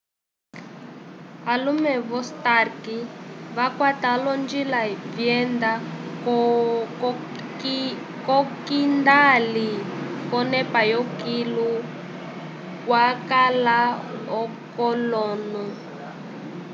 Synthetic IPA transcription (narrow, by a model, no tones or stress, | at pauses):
alumɛβɔstarkiβakwatalɔnd͡ʒilavjɛnd̪a | kɔkindalikɔnɛpajɔkilu | kwakalaɔ | kɔlɔːnɔ